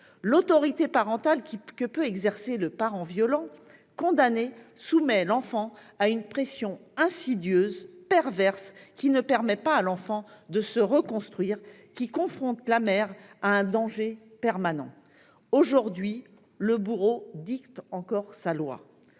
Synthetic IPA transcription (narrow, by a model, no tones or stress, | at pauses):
lot̪ɔʁit̪epaʁɑ̃t̪alkʲikəpøɛɡzɛʁseləpaʁɑ̃vjɔlɑ̃ | kɔ̃d̪anesumɛlɑ̃fɑ̃ | aynpχesjɔ̃ɛ̃sid̪jøzpɛʁvɛʁskʲinəpɛʁmɛpaːlɑ̃fɑ̃d̪əsəʁəkɔ̃st̪χɥiːʁ | kʲikɔ̃fχɔ̃t̪lamɛʁaɛ̃d̪ɑ̃ʒepɛʁmanɑ̰̃ | oʒuʁd̪ɥi | ləbyʁod̪ikt̪ɑ̃kɔʁsalwa̰